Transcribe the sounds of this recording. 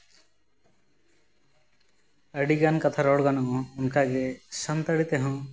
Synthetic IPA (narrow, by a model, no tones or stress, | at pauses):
əɽiɡankat̪ʰaɾɔɽɡanɔʔɔ̃unkaɡesənt̪əɽit̪eɦɔ̃